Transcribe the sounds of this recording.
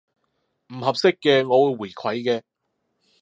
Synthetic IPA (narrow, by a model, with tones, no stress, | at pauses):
m̩˨˩ɦɐ˨p̚sɪ˥kːɛː˧ŋɔː˨˧wuː˨˧jwuː˨˩jkʷʰɐ˨˥jkɛː˧